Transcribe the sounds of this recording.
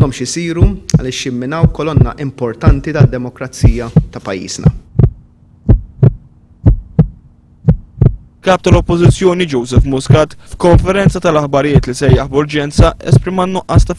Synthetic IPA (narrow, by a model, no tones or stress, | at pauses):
ɔmʃɪsiːɾuɐ̰lɪːʃjɪmːɪnɐwkɔlɔnːɐ̰ʔɪmpɔɾt̪ɐnt̪it̪ɐd̪ːɛmɔkɾɐt͡siːjɐt̪ɐpɐjːḭːznɐ̰ | lkɐːp̚t̪ɐlɔpːɔzɪt͡sːjɔːnid͡ʒɔwzɛfmʊskɐːt̪fkɔɱfɛɾɛnt͡sɐt̪ɐlɐħbɐɾɪjɪːt̪lisɛjɐħbʊɾd͡ʒɛnt͡sɐɛ̰spɾɪmɐnːʊʔːɐːst̪ɐ